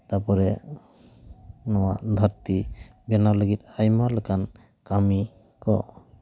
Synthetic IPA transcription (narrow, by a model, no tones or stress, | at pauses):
t̪aɾpɔɾɛ | nɔwaʔd̪ʱaɾt̪i | bɛnaləɡit̪̚ajmaləkan | kami | kɔ̰